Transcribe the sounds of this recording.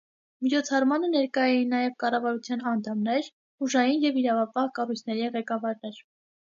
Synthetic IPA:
mit͡ʃʰɔt͡sʰɑrmɑnənɛɾkɑjɛjinɑjɛvkɑrɑvɑɾut͡sʰjɑnɑnt̪ʰɑmnɛɾ | uʒɑjinjɛviɾɑvɑpɑhkɑrujt͡sʰnɛɾiʁɛkɑvɑɾnɛɾ

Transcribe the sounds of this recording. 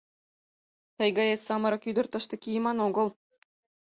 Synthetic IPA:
t̪ɑjɡɑjet̪ʲsɑmɤ̆ɾɤ̆kjyd̪ɤ̆rt̪ɤ̆ʂt̪ɤ̆kʲijmɑnoɡɤ̆lˠ

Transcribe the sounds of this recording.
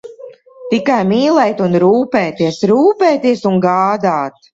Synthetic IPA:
t̪ikajmiːlˠɛːjt̪unɾuːpɛːt̪iɛsɾuːpɛːt̪iɛsuŋɡaːd̪aːt̪

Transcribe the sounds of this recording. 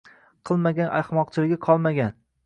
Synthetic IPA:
qʰɨlˠmaɡʲanʔa̰χmɒqt͡ʃʰɪlɪɡʲaqʰɒlˠmaɡʲan

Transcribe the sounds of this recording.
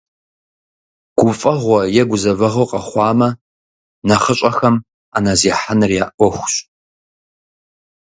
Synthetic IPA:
ɡ̥ʷʊfʼɐʁʷɔjɛɡʷʊzɐvɐʁoqɐχʷɑːmɐ | nɐχəɕʼɐxɐm | a̰ːnaziːħanɨrjaːʔʷɔxʷɕʼ

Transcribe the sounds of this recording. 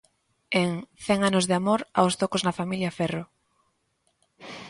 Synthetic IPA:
eŋθɛŋanozðɪamoɾawst̪okoznɐfamiljafɛro

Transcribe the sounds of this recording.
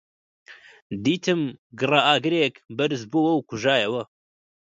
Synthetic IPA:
d̪iːt̪ʰɨmɡɨraːʔaːɡɨɾeːkbɐɾzbuːwɐwkʰʊʒaːjɛwɐ

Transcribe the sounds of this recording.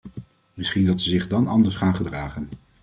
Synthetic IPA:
mɪsχindɑtsəzɪχdɑnɑndəɹsχaːnχədraːχən

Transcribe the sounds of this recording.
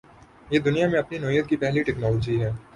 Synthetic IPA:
jeːd̪ʊnijamẽɐpninoːjət̪̚kipɛɦliʈɛːknɔːloːd͡ʒiɦɛː

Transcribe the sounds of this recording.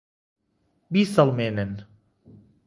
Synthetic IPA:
biːsɐlmenen

